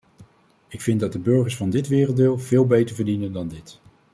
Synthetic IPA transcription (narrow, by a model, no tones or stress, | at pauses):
ɪkfɪndɑt̚dəbɵɹχəɹsfɑndɪtʋɪːrəlˠtdɪːlˠv̥ɪːlˠbejtəɹvəɹdinəndɑndɪt